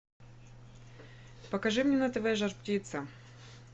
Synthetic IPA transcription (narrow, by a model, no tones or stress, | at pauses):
pɐkɐʐɨmnʲenɐt̪vajʐɐrptʲit̪sə